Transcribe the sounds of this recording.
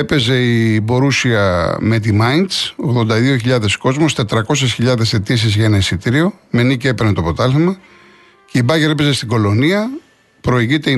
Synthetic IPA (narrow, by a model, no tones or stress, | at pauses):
epe̞ze̞ibo̞ɾusiɐme̞t̪imɐjnt̪so̞ɣðo̞nd̪ɐðio̞çiʎɐðe̞sko̞zmo̞st̪e̞t̪ɾɐko̞s̬e̞sçiʎɐðe̞se̞t̪is̬izʝɐenɐisit̪iɾio̞me̞nice̞peɾnet̪opot̪ɐlθimɐ | ce̞ibɐʝeɾepe̞ze̞st̪iɡo̞lo̞niɐ | pɾo̞iʝit̪e̞i